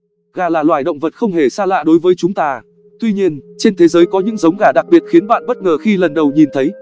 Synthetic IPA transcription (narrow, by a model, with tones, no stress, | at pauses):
ɣaː˨˩laː˨˩lwaː˧˩jɗə̰˧˨ŋ͡mvə˨˩t̚xə˧wŋ͡mhe˧˩saː˧la̰ː˧˨ɗo˨˦jvəː˨˦jt͡ɕʊ˨˦ŋ͡mt̪aː˧ | t̪wi˧ɲi˧ənt͡ɕe˧nt̪ʰe˨˦zəː˨˦jkɔ˨˦ɲɨ̰˧˥ŋzə˨˦wŋ͡mɣaː˧˩ɗa˨˩k̚ɓi˨˩ət̚xi˨˦ənɓa̰ː˧˨nɓə˦˥t̚ŋəː˨˩xi˧lə˨˩nɗə˨˩wɲi˨˩nt̪ʰə˨˦j